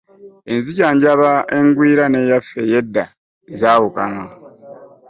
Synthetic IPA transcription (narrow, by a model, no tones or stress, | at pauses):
e̞nzicaːɲɟaβae̞ŋɡwiːɾane̞ːjafːe̞jedːa | zaːwuka̰na